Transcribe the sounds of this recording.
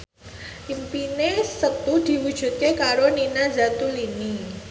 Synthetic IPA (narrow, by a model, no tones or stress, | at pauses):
ʔimpinesət̪ud̪̥i̤wud̥ʒ̥ṳt̪̚kekaɾoninazat̪ulini